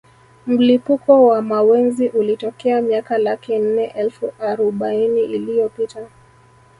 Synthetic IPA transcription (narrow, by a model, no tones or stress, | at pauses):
m̩lipukɔwamawɛnziʔulitɔkɛamiakalakin̩nɛʔɛlfuaɾuɓainiʔilijɔpita